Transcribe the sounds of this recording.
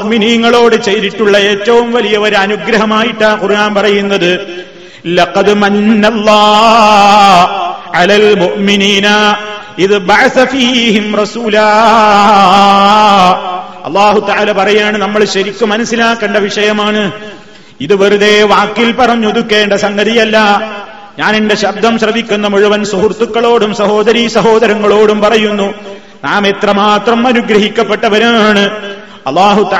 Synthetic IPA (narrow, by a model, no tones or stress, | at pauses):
ʔminiːŋːɐɭo̞ːɽɨt͡ɕejɾiʈːuɭːɐe̞ːtːɐʋumʋɐlijɐʋɐɾɐnuɡɾɐɦɐmaːjiʈːaːkurʔaːnpɐrɐjunːɐðɨ | lɐqɐd̪mɐnːɐlˤːɑː | ʕalalmuʔminiːnɐ | iðɨbɐʕaθɐfiːɦimrɑsuːlaː | ɐ̰lːaːɦut̪ɐʕaːlɐpɐrɐjaːɳɨnɐmːɐɭɕɐɾikʲːumɐnɐsːilaːkːɐɳɖɐʋiʂɐjɐmaːɳɨ | iðuʋɐɾuðe̞ʋaːkːilpɐrɐɲːuoðukːe̞ːɳɖɐsɐŋɡɐðijɐlːɐ | ɲaːnenɖe̞ɕɐb̚d̪ɐmɕrɐʋikʲːunːɐmuɻuʋɐnsuɦurt̪ːukːɐɭo̞ːɽumsɐɦo̞ːd̪ɐɾisɐɦo̞ːðɐɾɐŋːɐɭo̞ːɽumpɐrɐjunːu | naːmet̪rɐmaːt̪rɐmɐnuɡɾɐɦikʲːɐpːe̞ʈːɐʋɐɾumaːɳɨ | ɐ̰lːaːɦut̪